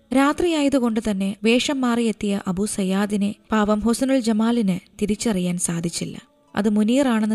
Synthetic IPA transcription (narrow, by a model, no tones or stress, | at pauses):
ɾaːt̪rijaːjɐðuko̞ɳɖɨt̪ɐnːe̞ʋe̞ːʂɐmːaːrije̞t̪ːijɐʔɐbʱusɐjaːd̪inɨpaːʋɐmɦosɐnuɭd͡ʑɐmaːlinɨt̪iɾit͡ɕːɐrijaːnsaːd̪ʱit͡ɕːilːɐ̰ | ɐ̰ðɨmuniːraːɳe̞nːɨ